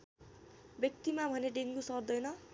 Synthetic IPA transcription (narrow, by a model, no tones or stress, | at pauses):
bjʌk̚t̪imabʱʌneɖeŋkusʌrd̪ʌjnʌ